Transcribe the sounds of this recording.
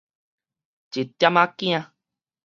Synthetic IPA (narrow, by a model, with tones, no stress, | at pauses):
d͡ʒe˨t̪ja˦mã˦kĩ˦ã˧